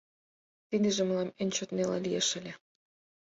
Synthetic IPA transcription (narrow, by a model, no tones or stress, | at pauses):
t̪id̪ĕʒĕməlɑmenʲt͡ɕot̪nelɑ̰lijeʃə̆lʲe